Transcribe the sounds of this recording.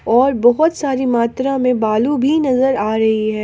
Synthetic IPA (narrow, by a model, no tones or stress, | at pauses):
ɔːɾbɔɦʊt̪saːɾimaːt̪ɾamẽbaːlubʱinɐzəɾaːɾɐɦiɦɛː